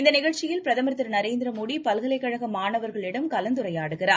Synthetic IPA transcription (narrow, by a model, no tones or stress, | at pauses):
ɪnd̪ɐnɪɣɐɻt͡ʃɪjɪlpɪɾɐðɐmɐɾt̪ːɪɾnɐɾeːnd̪ɾɐmoːɽipɐlɣɐlɐɪkːɐɻɐɣɐmaːɳɐʋɐɾɣɐɭɪɽɐmkɐlɐnd̪ɯɾɐjaːɽɯɣɪraː